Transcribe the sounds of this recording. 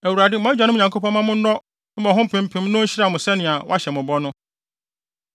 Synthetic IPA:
æ˨wu˨ɾa˨dɪ˦mʊ̃˨˦a˦d͡ʑᶣa˨nʊ̃˦˨ã˨ŋkʰo˦pʰɔ̃˦mã˦mʊ̃˦n̩˦nɔ˦ | mɔ̃˨ɦʊ̃˦m̩˨pʰɪ̃˨m̩˦pʰɪ̃˦mnʊ̃˦ɲ̩˦ɕi˦ɾa˨mʊ̃˨sɛ˦nɪ̃˨a˨wɔ̰˦a˦ɕɛ˨mʊ̃˨bɔ˦nʊ̃˦

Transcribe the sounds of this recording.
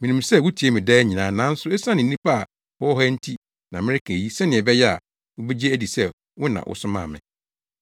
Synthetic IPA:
mĩ˨nĩ˨msɛ˦˨wʊ˦tʰi˨e˦mɪ̃˨dɛ˦ɲĩ˨nã˨˦nã˦n̩˦sʊ˦ɛ˦sã˦nɪ̃˨˦ĩ˦pʰa˦a˨ | wɔ˦ɔ˦ɦɔ˦n̩˦tʰi˦ | nã˨mɪ̃˦ɾɪ˦kʰæ˨ji˦sɛ̃˦nɪ̃˨ɛ˨bɛ˦jɛ˦a̰˨ | wʊ˦be˦d͡ʑe˦æ˦di˨sɛ˦ | wʊ˦nã̰˨wʔʊ̰˦sʊ˦mã̰ː˦˨mɪ̰̃˨

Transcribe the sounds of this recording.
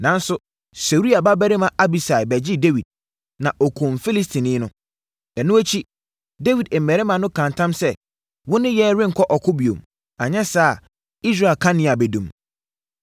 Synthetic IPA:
nã˨n˦sʊ˨ | so˨ɾi˦a˨ba˦bæ˦ɾɪ˦mã˨ʔa˦bi˨sa˨ɪ˨bɛ˨d͡ʑɪ˦de˦wi˨d̚ | nã˨ʔɔ˨kʰõ˨mfi˦li˦stʰĩ˨nɪ̃˦nʊ̃˦ | ɛ˨nʊ̃˦æ˦t͡ɕʰi˦ | de˦wi˨dɛ˨mɛ˨ɾɛ˦mã˨nʊ̃˦kʰã˨ntʰã˦msɛ˦ | wʊ̃˦nɪ̃˦jɛ˦ɾɪ̃˦ŋ̩˨kʰɔ˦ʔɔ˨kʰʊ˦bi˨o̰˨m | a˨ɲɛ̃˦saː˦˨ | i˦s̬ɾa˦˨e˨lkʰã˦nɪ̃˨a˨bɛ˨dũ˨m

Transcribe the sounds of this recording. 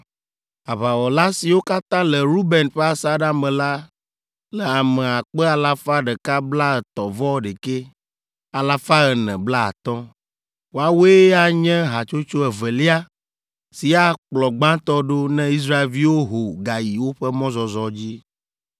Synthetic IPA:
a˨βa˨wɔ˨la˦si˨wo˦ka˦t̪ã˦lɛ˨ɾu˦bɛ˨nɸe˦a˨sa˦ɖa˦mɛ̃˨la˦ | lɛ˨a˨mɛ˨a˨k͡pɛ˦a˨la˦fa˦ɖɛ˨ka˦bla˦ə˨t̪ɔ˨vɔ˦ɖe˨ke˦ | a˨la˦fa˦ə˨nɛ̰̃˨bla˦a̰˨t̪ɔ̃˦ | wo˨a˨wo˦e˦a˦ɲɛ̃˦ɦa˨t͡ʃo˦t͡ʃo˦ɛ˨vɛ˨li˦a˦ | si˨a˦k͡plɔ˨ɡ͡bã˦t̪ɔ˦ɖo˦nɛ̃˦i˦s̬ɾa˦e˨lvi˦wo˦ɦo˨ɡa˨ji˨wo˦ɸɛ˦mɔ̃˦zɔ˨zɔ˨d͡ʑi˦

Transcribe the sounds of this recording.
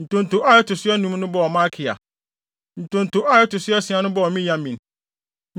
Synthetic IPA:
n̩˨tʊ̃˨n̩˨tʊ˨ʔa˦jɛ˦tʰʊ˨sʊ˦ɛ˦nũ˦m˦nʊ̃˦bɔ˦ɔ˨mã˦kʰɪ˨a̰˨ | n̩˨tʊ̃˨n̩˨tʊ˨ʔa˦jɛ˦tʊ˨sʊ˦ɛ˦sɪ̃˨˦ã˨˦nʊ̃˦bɔ˦ɔ˨mĩ˦jã˦mĩ˨n

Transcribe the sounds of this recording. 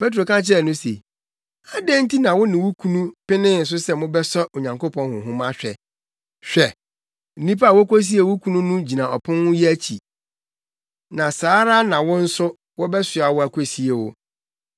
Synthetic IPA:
pe˦t̬ɾo˨kã˦t͡ɕʰɪ˦ɛ˦˨nʊ̃˦sḛ˨ | a˦dɛ̃˦n̩˦ti˦nã˨wʊ˦nɪ̃˨wʊ˦kʰũ˦nũ˦pɪ˦nɪ̃˦n̩˨s̬ʊ˦sɛ˦˨mʊ̃˦bɛ˦sɔ˦o˨ɲã˨ŋko˦pʰɔ̃˦nhʊ̃˨ɦʊ̃˦mã˦ɕᶣɛ˨ | ɕᶣɛ˨ | n̩˨nĩ˦pa˦a˨wɔ˦kʷo˦s̬i˦e˨wʊ˦kʰũ˦nũ˦nũ˦d͡ʑi˨nã˨ɔ˨pʰʊ̃˦nwʊ̃˦jɛ˦æ˦t͡ɕʰi˨ | nã˨saː˨˦ɾa˦nã˨wʊ̃˦n̩˦sʊ˦ | wɔ˦bɛ˦sʊ˨a˨wɔ˦æ˨kʷʰo˨si˦e˨wʊ˦

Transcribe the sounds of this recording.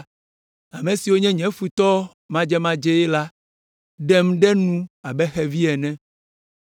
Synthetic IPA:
a˨mẽ˨si˨wo˦ɲɛ̃˦ɲɛ̃˨˦fu˦t̪ɔ˦ | mã˦d͡ʒɛ˦mã˦d͡ʒɛ˦jɛ˦la˦ | ɖɛ˦mɖɛ˦nũ˦a˨bɛ˦xɛ˨vi˦ɛ˨nɛ̃˦

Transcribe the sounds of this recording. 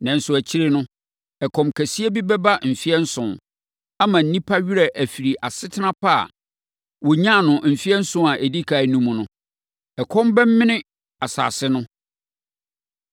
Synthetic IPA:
nɛ̃˨n̩˨sʊ˨æ˨t͡ɕʰɪ˦ɾɪ˦nʊ̃˦ | ɛ˨kʰɔ̃˨mkʰæ˨si˦e˦bi˦bɛ˦ba˦˨m̩˨fi˦ɛ˦n̩˦sʊ̃˨n | a˦mã˨n̩˨˦nĩ˦pʰa˦ɥi˦ɾɛ˨ʔæ˨fi˨ɾi˨ʔa˨sɪ˦tʰɪ˦nã˦pʰa̰˦˨ | wɔ˨ɲã˦˨nʊ̃˨m̩˨fi˦ɛ˦n̩˦sʊ̃˦a˨ʔe˨di˦kʰa˨nũ˦mũ˨nʊ̃˦ | ɛ˨kʰɔ̃˦m˦bɛ˦m̩˦mɪ̃˦nɪ̃˦ | a˨sa̰ː˨sɪ˦nʊ̃˦

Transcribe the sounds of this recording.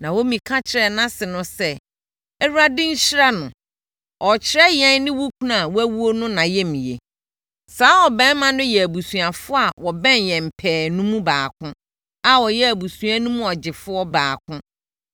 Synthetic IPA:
nã˨wo˦mĩ˨kʰã˦t͡ɕʰɪ˨ɾɛ˨nã˦sɪ˨nʊ̃˦sɛ˦ | ɛ˦ɾu˦a˦dɪ̃˦ɲ̩˦ɕɪ˦ɾa˦nʊ̃˨ | ɔ˨t͡ɕʰɪ˦ɾɛ˦jɛ̃˦nɪ̃˦wu˦kʰu˦nã˦˨wæ˦wu˦o˦nʊ̃˦nã˨jɛ˦mĩ˨jḛ˨ | saː˨˦ɔ˨bɛ̃˦mã˦nʊ̃˦jɛ˨æ˨bu˨sũ˨a˨fʊ˦a˨wɔ˨bɛ̃˦njɛ̃˨m̩˨pʰɛː˨nũ˦mũ˦baː˨kʰʊ̃˦ | a˨wɔ˨jɛ˦æ˨bu˨sũ˨a˦nũ˦mũ˦ɔ˨d͡ʑɪ˨fʊ˦ɔ˦baː˨kʰʊ̃˦

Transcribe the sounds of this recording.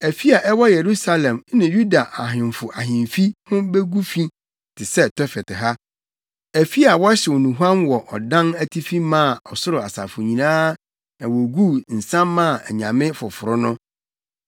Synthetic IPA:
æ˨fi˦a˨ʔɛ˦wɔ˦je˨ɾu˦sa˦lɛ̃˨m˦nɪ̃˨ju˦da˨ʔa˨ɦɪ̃˨m˨fʊ˨ʔa˨ɦɪ̃˨m˨fi˦hʊ̃˦be˦ɡu˦fĩ˦ | tʰɪ˨sɛ˦tʰɔ˦fɛ˨tʰɪ˨ɦa˦ | æ˨fi˦a˨wɔ˦ɕɪ˨wɔ˨nũ˨ɦu˦ã˦nwɔ˨ʔɔ˨dã˦næ˦tʰi˦fi˦mãː˦˨ɔ˨sʊ˦ɾʊ˨a˨sa̰˨fʊ˨ɲĩ˨nãː˦ | nã˨wɔ˨ɡu˦n̩˨sã˦mːã˦˨ɛ˨ɲã˨mɪ̃˦fʊ˨fʊ˨ɾʊ˦nʊ̃˦

